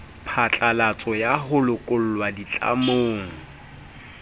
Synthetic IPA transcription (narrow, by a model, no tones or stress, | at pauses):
pʰat͡ɬʼalat͡sʼɔjaɦʊlʊkʼʊl̩lwadit͡ɬʼa̰moːŋ̩